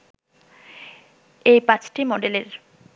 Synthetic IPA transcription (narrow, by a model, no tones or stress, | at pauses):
ejpãt͡ɕʈimɔɖeleɾ